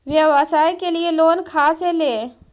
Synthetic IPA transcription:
ʋɪaʋasaːikelɪeloːnkʰaːsɦeleː

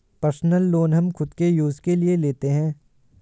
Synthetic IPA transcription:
pəɾsnəlːoːnɦɐmxʊd̪kejuːzkelieleːt̪eɦɛ̃ː

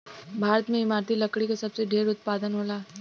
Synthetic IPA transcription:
bʱaːɾət̪mẽɪmaːɾt̪ʰilɐkɽikasɐbseɖʱeːɾʊt̪̚paːd̪ənɦoːlaː

